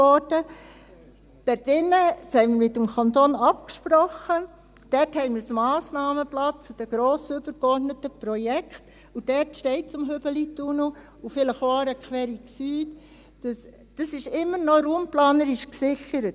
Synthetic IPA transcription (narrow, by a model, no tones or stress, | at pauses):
ɔɾd̥ə | d̥ɛɾtɪnːətshɛɪməmɪtːəmkʰɑnt̪oːnɑpkʃpɾɔχə | d̥ɛrthɛɪmɪɾsmɑːsnɑːməplɑt͡sʊd̥əɡ̥ɾoːsʏb̥əɾkɔrdnətəpɾɔjɛkχt | ud̥ɛɾtʃtɛɪt̚t͡sʊmɦʏb̥əlituno | ufɪləχʋɑːɾəkʰʋɛːɾiksyːt | d̥əs | d̥əsɪʃɪmːəɾnɔɾuːmplɑːnəɾɪʃksɪxəɾət